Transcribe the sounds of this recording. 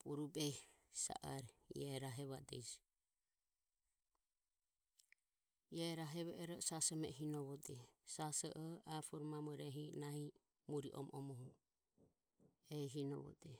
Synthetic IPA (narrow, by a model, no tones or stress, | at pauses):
puɾubɛsa̰ʔaɾɛḭɛɾaɦɛβad̪ɛ̰d͡ʒ | jɛɾaɦɛβɛʔɛɾɔsasɔmɛ̰ɦinɔβɔd̪ɛsasɔʔɔapʰɔɾmamɔɾɛɦinahi | muɾiʔɔ̰mʔɔmɔɦu | ɛɦinɔβɔ̰d̪ɛ